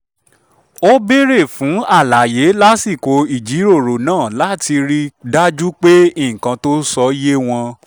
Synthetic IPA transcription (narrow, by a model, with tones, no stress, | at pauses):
o˦be˦ɾe˦˨fũ˨˦a˦˨la˨je˨˦la˦si˦˨ko˧i˦˨d͡ʒi˨˦ɾo˦˨ɾo˨nãː˦˨la˨˦˨ti˧ɾi˦da˦d͡ʒu˦k͡pe˦i˦˨kã˨˧to˦sɔ˧˦je˦w̃ɔ̃˧